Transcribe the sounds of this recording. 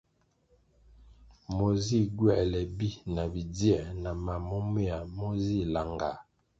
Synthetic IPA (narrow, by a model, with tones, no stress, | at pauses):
mo˨zi˦ɡwɛ˦˨lɛ˨bi˦na˨bi˨djɛ˨na˨ma˨mɔ˦me˦a˨mo˦zi˦˨la˨ŋɡa˨